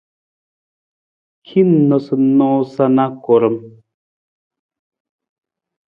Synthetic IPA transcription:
kʰi˦n˦nɔ˨sɨ˨nɔ̃ː˦sa˦na˦kɔ˨ɾə˨m

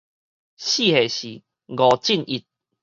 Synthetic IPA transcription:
ɕi˥˧˨he˨ɕi˨˦ | ɡɔ˨˩t͡ɕi˥˨ni˧˩t̪̚

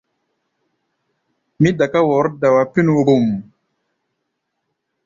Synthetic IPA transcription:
mi˦da˨ka˦wɔ˨˦ɾda˨wa˨pi˦n˨wɾu˨m

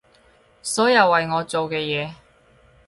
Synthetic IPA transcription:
sɔː˨˥jɐ˧wːɐ˨jŋɔː˨˧t͡so˨wkɛː˧jɛː˨˧

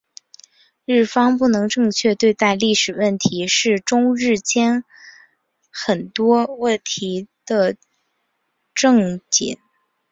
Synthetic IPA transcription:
ɻɻ̩˥˩fɑ˥ŋpu˥˩nɤ˧˥ŋʈ͡ʂɤ˥˧ŋt͡ɕʰɥɛ˥˧t̪we˥˧ɪt̪a˥˧ɪli˥˩ʂɻ̩˨˩wə˥˩nt̪ʰi˧˥ʂɻ̩˥˩ʈ͡ʂʊ˥ŋɻɻ̩˥˩t͡ɕjɛ˥n | xə˨˩nt̪wɔ˥wə˥˩nt̪ʰi˧˥d̪̥ə˧ | ʈ͡ʂɤ˥˩ŋt͡ɕḭ˨˩˦n

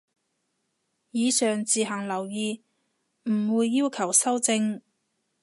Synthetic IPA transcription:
jiː˨˧sœː˨ŋt͡siː˨ɦɐ˨˩ŋlɐ˨˩wjiː˨˧ | m̩˨˩wuː˨˧jːiː˥wkʰɐ˨˩wsɐ˥wt͡sɪ˧ŋ

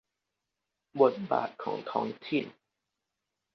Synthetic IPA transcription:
bo˨˩t̪̚ba̰ː˨˩t̪̚kʰɔː˩˦ŋt̪ʰɔː˦˥ŋt̪ʰiː˥˩n

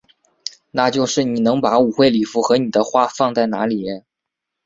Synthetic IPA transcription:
na˥˧t͡ɕjo˥˧ʊʂɻ̩˥˩ni˨˩nɤ˧˥ŋpa˧˥u˨˩xwe˥˩ɪli˨˩fu˧˥xɤ˧˥ni˨˩d̪ə˦xwa˥˧fɑ˥˧ŋt͡sa˥˩ɪna̰˧˥li˨˩˥n

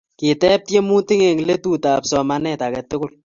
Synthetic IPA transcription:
kɪ˨tɛ˦p̚tje˦mu˦tɪ˦ŋe˨ŋle˦tu˦ta˨psɔ˨ma˨nɛ˦ta˨kɛ˨tʊ˦kʊ˦˨l

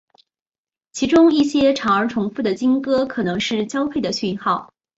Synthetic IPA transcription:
t͡ɕʰi˧˥ʈ͡ʂʊ˥ŋi˥˩ɕjɛ˥ʈ͡ʂʰɑ˧˥ŋə˞˧˥ʈ͡ʂʰʊ˧˥ŋfu˥˩d̪ə˩t͡ɕi˥nkɤ˥kʰɤ˨˩nɤ˧˥ŋʂɻ̩˥˩t͡ɕjɑ˥ʊpʰe˥˩ɪd̪ə˩ɕy˥˧nxɑ˥˩ʊ

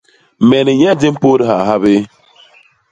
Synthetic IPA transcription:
mɛ˨ni˨ɲɛ˦di˦m̩˦po˦ɾi˦ha˨ɦa˦bɪ˦

